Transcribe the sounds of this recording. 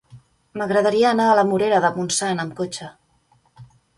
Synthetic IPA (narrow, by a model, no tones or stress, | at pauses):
məɣɾəðəɾiəːnaːləmuɾeɾəðəmunsanəmkot͡ʃə